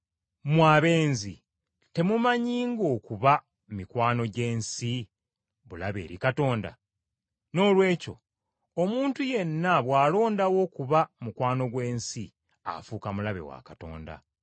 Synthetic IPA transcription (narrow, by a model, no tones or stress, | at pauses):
mwaːβe̞ːnzḭ | te̞mumaɲiːŋɡo̞ːkuβa | mikwaːno̞ɟe̞ːnsi | βulaβe̞̰ːɾikato̞ːnda̰ | no̞ːlwe̞ːco̞̰ | omuːntuje̞nːaβwaːlo̞ːndawo̞kuβamukwaːno̞ɡwe̞ːnsi | a̰fuːkamulaβe̞̰wa̰kato̞̰ːnda̰